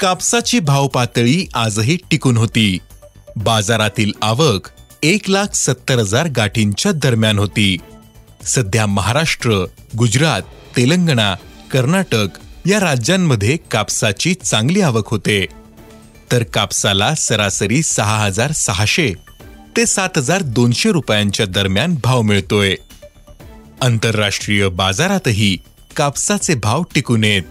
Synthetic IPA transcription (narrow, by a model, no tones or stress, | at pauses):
kapsat͡ɕiːbʱawpat̪ɭiːʔad͡zɦiːʈikuːnɦot̪iː | bad͡zaɾat̪iːlaʋəkʰ | eklakʰsət̪ːəɾɦəd͡zaɾɡaʈʰiɲt͡ɕjad̪əɾmjanɦot̪iː | səd̪ʱjaməɦaɾaʂʈɾəɡud͡ʑɾat̪ːeləŋɡɳ̃akəɾnaʈəkjaɾad͡ʑjamːəd̪ʱːjekapsat͡ɕiːt͡sãŋɡliːaʋəkɦot̪e | t̪əɾkapsalasəɾasəɾiːsəɦaɦəd͡zaɾsəɦaɕe | t̪esat̪ɦəd͡zaɾd̪onɕeɾupjaɲt͡ɕjad̪əɾmjanbʱaʋmiɭt̪oje | ənt̪əɾːaʂʈɾijəbad͡zaɾat̪əɦiː | kapsat͡sebʱaʋʈikunet̪̚